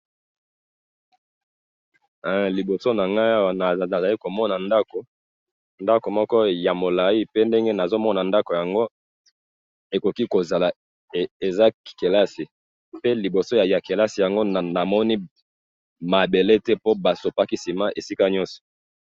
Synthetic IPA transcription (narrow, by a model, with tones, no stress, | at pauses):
li˨bo˨so˦na˨ŋɡa˦a˦wa˨n˨a˨za˨li˦ko˨mɔ˦na˨nda˦ko˨ | nda˦ko˨mɔ˦kɔ˦ja˨mo˨la˨i˦pe˦nde˦ŋɡe˦na˨zo˦mɔ˦na˨nda˦ko˨ja˨ŋɡo˦ | e˨ko˨ki˦ko˨za˨la˨ | e˨za˦kke˨la˦si˨ | pe˦li˨bo˨so˦ja˨ja˨ke˨la˦si˨ja˨ŋɡo˦˨na˨mɔ˦ni˦ | ma˨be˨le˦tɛ˦po˦ba˨so˨pa˦ki˦si˨ma˦ʔe˨si˦ka˦ɲɔ˦sɔ̥˨